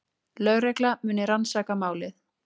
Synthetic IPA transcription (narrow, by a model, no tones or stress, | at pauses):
lœɥɣɾɛklamʏːnɪɾansaːkamaːwlɪθ